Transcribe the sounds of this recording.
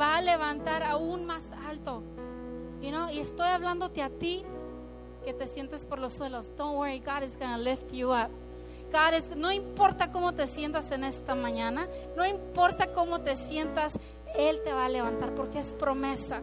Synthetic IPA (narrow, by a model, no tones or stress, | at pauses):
baːle̞βant̪aɾaunmasalt̪o̞ | inoie̞st̪o̞jaβland̪ot̪eat̪i | ke̞t̪e̞sje̞nt̪espo̞ɾloswelosd̪õnweɹiɡaɾezɡonaleft̪juap̚ | ɡ̥aɾezno̞impo̞ɾt̪ako̞mo̞t̪e̞sje̞nt̪ase̞ne̞st̪amãɲãnanoimpo̞ɾt̪ako̞mo̞t̪e̞sje̞nt̪as | e̞lt̪e̞βaːle̞βant̪aɾpo̞ɾkeespɾo̞mesa